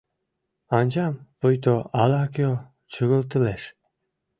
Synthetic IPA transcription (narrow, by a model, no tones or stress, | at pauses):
ɑnʲd͡ʑɑmpojt̪oɑlɑko | t͡ɕəɣə̆lt̪ə̆leʃ